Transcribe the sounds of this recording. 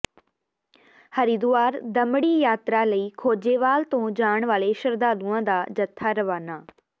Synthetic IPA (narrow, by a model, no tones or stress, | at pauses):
hɐɾid̪ʊaːɾd̪ɐməɽijaːt̪ɾaləiːkʰoːd͡ʑeʋaːlt̪õd͡ʑaːəɽ̃ʋaːleʃɐɾd̪aːd̪uːə̃d̪aːd͡ʑɐt̪ʰaɾɐʋaːnaː